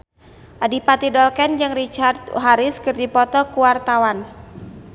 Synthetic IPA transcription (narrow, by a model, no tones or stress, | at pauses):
ʔadipat̪idɔlkɛnd͡ʒɨŋrit͡ʃart̪̚ɦaɾɪskɨrdipɔt̪ɔkuwart̪awan